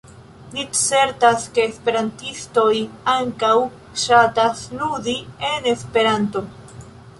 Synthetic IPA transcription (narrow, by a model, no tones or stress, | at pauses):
nise̞ɾtaske̞ːspe̞ɾantisto̞jaŋkaw | ʃatasludie̞ne̞spe̞ɾanto̞